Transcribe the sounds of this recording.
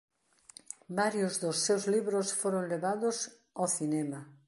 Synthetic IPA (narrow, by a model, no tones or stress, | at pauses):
baɾjʊzðʊsːewzliβɾosfoɾoŋleβaðʊs | aθinɛma